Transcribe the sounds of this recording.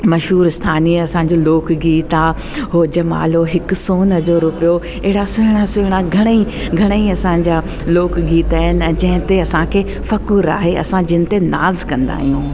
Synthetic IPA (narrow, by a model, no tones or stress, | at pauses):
mɐʃɦuːɾɪst̪ʰaːniɐsãːɲ̆d͡ʑoloːkɡiːt̪a | ɦoːd͡ʑɐma̰ːloɦɪkʊsoːnəzoːɾʊpijo | ɛɦɪɽasʊɦɪɽ̃asʊɦɪɽ̃aɡʱɐɽ̃i | ɡʱɐɽ̃əiɐsãːɲ̆d͡ʑaː | loːkɡiːt̪aːɦɪnɪ̆ɛ̃ːd͡ʑɐ̃ɦɪ̃t̪eɐsãkʰe | fɐkuɾa̰ːɦeʔɐ̰sãd͡ʑɪnɪ̆t̪ena̰ːzkɐ̃nd̪a̰ːɦijũː